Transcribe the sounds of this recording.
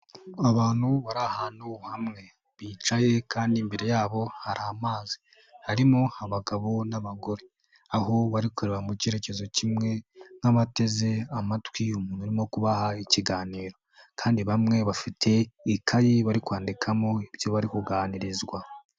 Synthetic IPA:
aβaːn̥huβaɾahaːnuhamŋe̞ | βiːt͡ʃaje̞kʰaːndimbe̞ɾe̞jaːβo̞haɾaːmaːzi̥ | haɾimo̞haβaɡaβo̞naβaɡo̞ɾe | aɦo̞βaɾikuɾeβamuce̞ːɾe̞ce̞zo̞cimŋe̞naβate̞ze̞amatwiumuːn̥huɾimo̞kuβahaiciɡaːniːɾo̞ | kʰaːndiβamŋe̞βafitʰe̞ikʰajiβaɾikwaːndikʰamo̞iβjo̞βaɾikuɡaːniɾizɡwa

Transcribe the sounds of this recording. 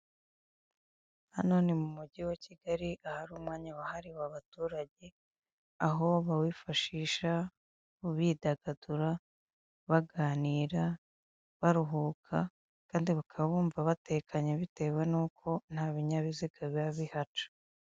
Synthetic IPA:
hano̞ːnemumuɟiwaciɡaɾiʔahaɾuːmŋaːɲawahaɾiwaβatuːɾaɟe̞ | aɦo̞βawiːfaʃiːʃa | uβidaɡaduɾa | βaɡaːniːɾa | βaɾuɦuːkʰa | kaːndiβakʰaβaβuːɱvaβate̞kaɲeβite̞we̞nuːkʰo̞n̥haːβiɲaβiziɡaβjaβihat͡ʃḁ

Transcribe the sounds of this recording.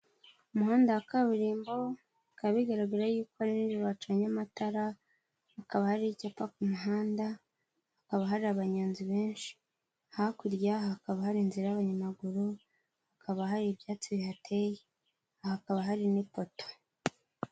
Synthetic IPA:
umuhaːndaakaβuɾiːmbo̞ | kaβiɡaɾaɡaɾajuːkoaɾinid͡ʒoɾoat͡ʃaɲamataɾa | hːkaβahaɾicapakumuɦaːnda | hakaβaɦaɾiaβaɲaːnziβeːnʃi̥ | hakuɾɟaakaβahaɾinziɾajaβaɲamaɡuɾu | hakʰaβahaɾiβjaːt͡siβihatʰeji | hakaβaɦaɾinipo̞to̥

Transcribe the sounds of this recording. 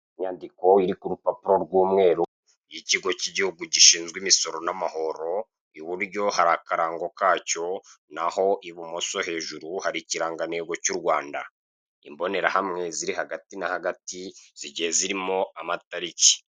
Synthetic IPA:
iɲaːndiko̞iɾikuɾupapuɾoɾɡwuːmŋe̞ːɾu | jiciɡo̞ciɟihuɡuɟiʃiːnzɡwimiso̞ɾo̞namaho̞ɾo̞ | iβuɾɟo̞haɾaːkaɾaːŋɡo̞kaːco̞naho̞ʔiβumoso̞he̞ːʒuɾuhaɾiciɾaːŋɡaneːɡo̞cuɾɡwaːnda̰ | imbo̞ne̞ɾahamŋe̞ziɾihaɡatinahaɡatiz̥iɟiheziɾimo̞amataɾici̥

